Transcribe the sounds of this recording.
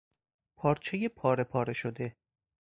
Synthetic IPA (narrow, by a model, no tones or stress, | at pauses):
pʰɒːɾt͡ʃʰe̞jepʰɒːɾe̞pʰɒːɾe̞ʃod̪e̞